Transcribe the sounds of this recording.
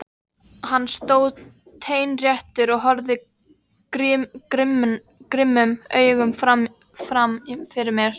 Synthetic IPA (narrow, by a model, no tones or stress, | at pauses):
hanːst̪oːwð | t̪ʰeːjnrjɛht̪ʏɾɔɣɦɔɾðɪ | ɾʏkɾɪmn | kɾɪmːʏmœːɥɣʏmfɾam | fɾamifɪɾɪɾmjɛɾ̥